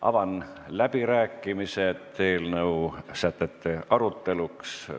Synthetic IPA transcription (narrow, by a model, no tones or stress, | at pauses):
ʔɑ̰vɑnlæb̥iɾæːkːˑimise̞t̪e̞ːlnɤusæt̪ːet̪ːeʔɑɾut̪ːe̞luks